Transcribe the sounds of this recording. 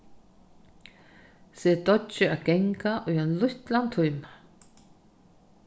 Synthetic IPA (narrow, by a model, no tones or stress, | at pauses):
sɛːd̪ɔɪaɡɛŋkaʔʊjanlʊht̪lant̪ʰʊjma